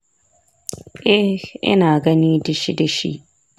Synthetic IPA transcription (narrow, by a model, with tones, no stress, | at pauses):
ʔɛ˦hʔɪ̰˦naː˨ɡɐ˦niː˦dɐ˨ʃi˦dɐ˨ʃḭ˦ʔ